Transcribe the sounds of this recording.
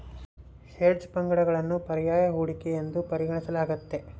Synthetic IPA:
ʃeːɾd͡ʒpɐŋɡɐɽɐɡɐɭɐnːupɐɾijaːjɐɦuːɽikeend̪upɐɾiɡɐɳisɐlaːɡɐt̪ːe̞

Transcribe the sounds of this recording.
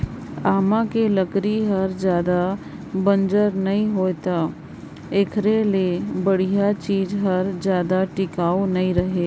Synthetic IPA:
aːmãkeləkɾiɦɐɾd͡ʒjaːd̪a | bə̃nd͡ʒəɾnɐɦĩɦoːet̪a | eːkʰɾelebəɽ̤ijat͡ʃiːzɦɐɾd͡ʒjaːd̪aʈɪkaːonɐɦĩɾɐɦeː

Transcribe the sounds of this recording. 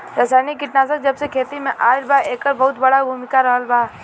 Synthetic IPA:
ɾəsaːnikɪʈnaːs̬ək̚d͡ʒɐbsekʰeːt̪imẽʔaːɪlbaeːkːəɾbɐɦʊt̪bɐɽabʱuːmɪkaɾɐɦəlbaː

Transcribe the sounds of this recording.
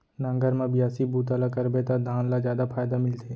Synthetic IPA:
nãŋɡəɾmãbɪjaːsibuːt̪alakɐɾbet̪ad̪ʱaːnlazjaːd̪apʰaːjd̪amɪlt̪ʰeː

